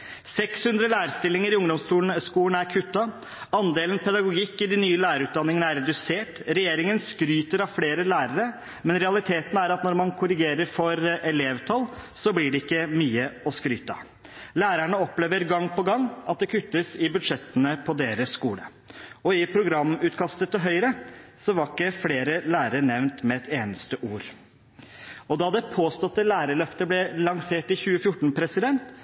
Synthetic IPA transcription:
sɛkshʉnd̪ɾəlæːɾəst̪ɪlːɪŋəɾɪʊŋd̪ɔmst̪uːnskuːlən̩æɾkʰʉt̪ːɑ | ɑnd̪eːlənpʰɛd̪ɑɡʊɡɪkːɪd̪ɪnyːəlæːɾəɾʉːt̪̚d̪ɑnːɪŋənəæɾːɛd̪ʉseːʈɾɛjeːɾɪŋənskɾyːt̪əɾɑʋfleːɾəlæːɾəɾə | mɛnɾɛɑlɪt̪ʰeːt̪n̩æɾɑt̪nɔɾmɑnkʰʊɾɪɡeːɾəɾfɔɾɛleːʋt̪ʰɑlsɔblɪɖɛɪkːəmyːəɔskɾy̰ːt̪ɑ̰ | læːɾæɳəɔpleːʋəɾɡɑŋːpɔɡɑŋːɑt̪̚d̪ɛkʰʉt̪ːəsɪbʉd̪ʂɛt̪ːənəpʰɔd̪eːɾəsːkuːlə | ɔɪpʰɾʊɡɾɑmːʉːt̪kʰɑst̪ət̪ɔɦœʏɾəsɔʋɑɾkːəfleːɾəlæːɾəɾɳɛʋnt̪mɛɛt̪ʰeːnəst̪əʔuːɾ | ɔd̪ɑd̪ɛpʰoːst̪ɔt̪ːəlæːɾəɭœft̪əblɛlɑŋseːʈɪçʉːəfjʊʈːɳ̩pʰɾɛsɪd̪ɛnt̪

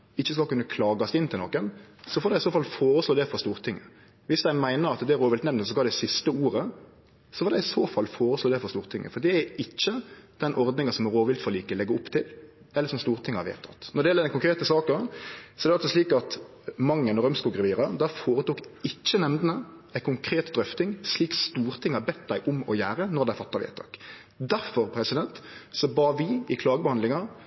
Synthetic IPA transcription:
ɪçːəskɑlkʉnːəkʰlɑːɡɑsɪnt̪ʰɪlnoːkən | sɔfoːd̪æɪsoːfɑlfoːɾəsloːd̪ɛfɾɑst̪uːɾt̪ʰɪŋːə | ʋɪsd̪æɪmæɪnəɾɑt̪d̪ɛːɾoːʋɪlt̪nɛmnəsɔɡɑld̪ɛɪsɪst̪əuːɾə | sɔfɑɾd̪æɪɪsoːfɑlːfoːɾəsloːd̪ɛfɾɔst̪uːʁɾt̪ɪŋːə̰fɔd̪ɛæɾɪt͡ʃːəd̪̥ɛnʔɔɾd̪nɪŋəsɔmɾoːʋɪlt̪fɔliːkəlɛɡːəʊpt̪ʰɪl | ɛlːəɾsɔmst̪uːɾʁət̪ʰɪŋəhɑɾʋḛːt̪ʰɑt̪ːnɔɾɖɛjɛləd̪ɛnkʊŋkɾeːt̪əsɑːkəsɔɛɾd̪ɛɑlsɔʂliːkɑt̪ | mɑŋːənɔʁœmskʉlɡɾɛʋiːɾəd̪æɾfoːɾət̪uːkɪt͡ʃːənɛmnənəæɪkʰʊŋkʰɾeːt̪d̪ɾœft̪ɪŋsliːkst̪uːɾt̪ʰɪŋhɑbɛt̪d̪æɪʔʊmɔjæːɾənɔɾd̪æɪfɑt̪ːɑʋḛːt̪ʰɑ̰k | d̪æɾfɔɾpʰɾɛsɪd̪ɛnt̪sɔbɑːʋɪɪkʰlɑːɡəbɛhɑnd̪lɪŋɑ

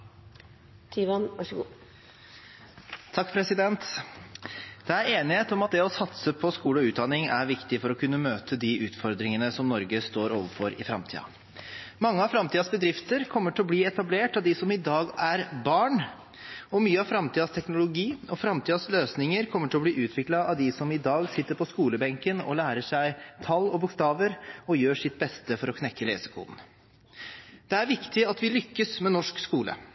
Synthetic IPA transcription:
t̪ʰiːʋɑnʋɑʂɡuː | t̪ʰɑkːpʰɾɛsɪd̪ɛnt̪ | d̪̥ɛæɾeːnɪheːt̪ɔmɑt̪̚d̪ɛɔsɑt̪səpʰɔskuːləɔʉːt̪̚d̪ɑnɪŋæ̰ɾʋɪkt̪ɪfɔɾɔkʰʉnːəmøːt̪ʰəd̪iʉːt̪fɔɾd̪ɾɪŋənəsɔmnɔɾɡəst̪oːɾoːʋəɾfɔɾɪ̰fɾɑ̰mt̪ʰḭːɑ̰ | mɑŋːəɑʋfɾɑmt̪iːd̪ɑsbəd̪ɾɪft̪əɾkʰɔmːəʈʰɪlɔbliːɛt̪ɑbleːʈɑʋd̪ɪsɔmɪd̪ɑːɡæɾbɑːɳ | ɔmyːəɑʋfɾɑmt̪ʰiːɑst̪ʰɛknʊlʊɡiːɔfɾɑmt̪ʰiːɑsløːsnɪŋəɾkʰɔmːəʈʰɪlɔbliːʔʉːt̪ʰʋɪklɑɑʋd̪ɪsɔmɪd̪ɑːɡsɪt̪ːəɾpʰɔskuːləbɛŋkənɔ̰læːɾəʂæɪt̪ʰɑlːɔbʊkst̪ɑːʋəɾɔjøːʂɪt̪̚ːbɛst̪əfɔɾɔkʰnɛkːəlḛːsə̥kʰṵːln | d̪̥ɛæɾʋɪkt̪ɪɑt̪ʋɪlʏkːəsmɛnɔʂkskuːlə̰

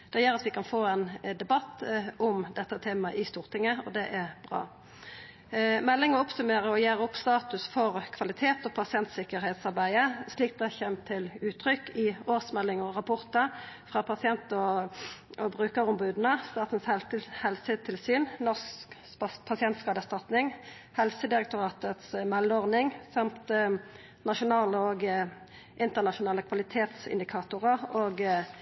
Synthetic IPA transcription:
d̪̥ɛjøːʁɑt̪ʋɪkʰɑnfoːɛnd̪ɛbɑt̪ːʔʊmd̪ɛt̪ːət̪ʰeːmɑʔɪst̪uːʁt̪ʰɪŋːəɔd̪ɛʔɛʁbʁɑ̰ː | mɛlːɪŋəɔpsʉmeːɾəɔjeːʁəɔpːst̪ɑːt̪ʉsfɔʁkʰʋɑlɪt̪ʰeːt̪ɔpʰɑsɪɛnt̪sɪkəʁhɛːt̪sɑʁbæɪəsliːk̚d̪ɛçɛmt̪ʰɪlʉːt̪ʰʁʏkːɪoːʁsmɛlːɪŋəɔʁɑpʰʊʁt̪əɾfʁɑpʰɑsɪɛnt̪ɔ | ʔɔbʁʉːkəʁʊmbʉːd̪n̩əst̪ɑːt̪n̩sɛlhɛlsət̪ʰɪlsyːnnɔʁs | pʰɑsɪɛnt̪skɑːd̪əʁst̪ɑt̪nɪŋ | hɛlsəd̪ɪʁɛk̚t̪ʊʁɑːt̪ət̪smɛlːəɔʁnɪŋsɑmt̪ | nɑʃʊnɑːləoɡ | ʔɪnt̪əʁnɑʃʊnɑːləkʰʋɑlɪt̪ʰeːt̪sɪ̰nd̪ɪkʰɑːt̪ʊʁəʁoːɡ

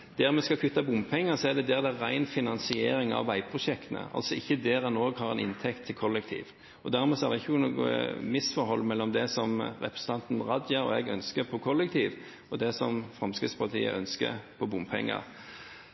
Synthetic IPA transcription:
d̪̥æːʁmɛskɑkʰʉt̪ːɑbʊmpʰɛŋːəsɔæd̪ɛd̪ɛʁd̪ɛʁæɪnfɪnɑnsɪeːɾɪŋɑ̰ʋːæɪpʰɾʊʂɛkt̪nə̰ɑ̰lsɔɪçːəd̪eːɾɛnoːɡhɑɾɛ̰nɪ̰nt̪ʰɛkt̪ʰːɪlkʰɔlːəkt̪ʰḭːʋ | ɔd̪æɾmuːsɔæd̪ɛɪçːənuːɡə̰mɪsfɔɾhɔlːmɛlːɔmd̪ɛsɔmʁɛ̰pʰɾɛsət̪ʰɑnt̪n̩ʁɑd̪jəɾɔ̰ɛɡœnskəpʰɔkʰɔlːək̚t̪ʰiːʋ | ɔd̪ɛsɔmfɾɑmskɾɪt̪spʰɑt̪ʰḭːə̰ʔœnskə̰pʰɔbʊmpʰɛ̰ŋːɑ̰ɾ

